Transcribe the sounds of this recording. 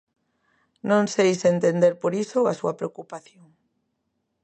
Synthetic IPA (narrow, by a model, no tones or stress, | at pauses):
nõŋsejsent̪end̪eɾpoɾisoasuɐpɾeokupaθjoŋ